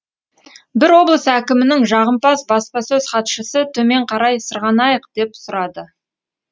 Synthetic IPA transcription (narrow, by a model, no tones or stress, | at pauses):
bɪɾwo̞blˠəsækʲɪmɪnɪŋʒɑʁəmpɑsbɑspɑsɵz̥χɑt̪ʃəsət̪ʰɵme̞ɴqʰɑɾɑjsəɾʁɑnɑjəqd̪̥e̞psʊɾɑd̪ə